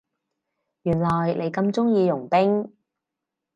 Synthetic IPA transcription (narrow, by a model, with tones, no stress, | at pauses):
jyː˨˩nlɔː˨˩jlʔe˨˧jkɐ˧mt͡sʊ˥ŋjiː˧jʊ˨˩ŋpɪ˥ŋ